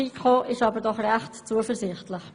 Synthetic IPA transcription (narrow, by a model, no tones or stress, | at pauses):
ikχoːʔɪʃɑːbəɾdɔχrɛχtt͡suəfəɾzɪχtlɪχ